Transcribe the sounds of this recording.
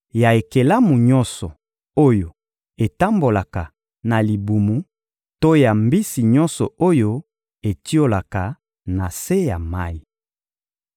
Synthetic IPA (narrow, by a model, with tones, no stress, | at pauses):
ja˨e˨ke˨la˦mu˨ɲɔ˦sɔ˨ | o˦jo˨ | e˨ta˦mbo˨la˨ka˨ | na˨li˨bu˨mu˨ | to˦ja˨mbi˦si˨ɲɔ̃˦nsɔ̰˨o˦jo˦ | e˨ti˦o˦la˨ka˨ | na˨se˦ja˨ma˦i˨